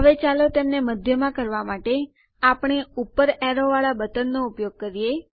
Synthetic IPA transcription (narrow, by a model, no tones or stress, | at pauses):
ɦəʋet͡ʃalot̪emneməd̪ʱjəmãkəɾʋamaʈe | apɳ̃eupəɾɛɾoʋaɭabət̪ənːoupjoɡ̚kəɾije